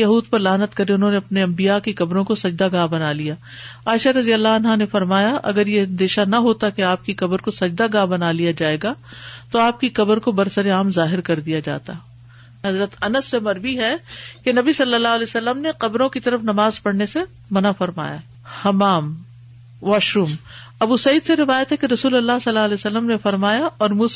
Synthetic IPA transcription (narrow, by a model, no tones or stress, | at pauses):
jɐɦuːd̪pɐɾlaːnət̪kɐɾẽʊnɦõːneɐpneɐ̃mbijakiqɐbɾõkosɐd͡ʒd̪aɡãːbɐnalijaː | aːɪʃaɾɐzijəlːaɐnɦanefɐɾmaːjaʔɐ̰ɡəɾjeɐ̃nd̪eːʃanɐɦoːt̪akeaːp̚kiqɐbəɾkosɐd͡ʒd̪aɡãːbɐnaːlijad͡ʒaːeːɡat̪oaːp̚kiqɐbəɾkobɐɾsɐɾeaːmzaːɦɪɾkɐɾd̪ijad͡ʒa̰ːt̪a̰ | ɦɐzɾət̪ɐnəsːemɐɾʋiɦɛkenɐbisɐlːəlːaːɦɐlɛsɐlːəmneqɐbɾõkit̪ɐɾəfnɐmaːzpɐɽnese | mɐnafɐɾma̰ːja̰ | hɐmaːm | ʋaːʃuːm | ɐbusɐiːd̪seɾɪʋaːjət̪ɦɛkeɾɐsuːlɐlːaɦsɐlːaːɐlɛsɐlːəmnefɐɾmaːjaʔɔːɾmuː